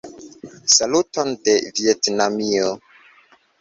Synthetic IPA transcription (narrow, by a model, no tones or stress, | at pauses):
salutondevietnamio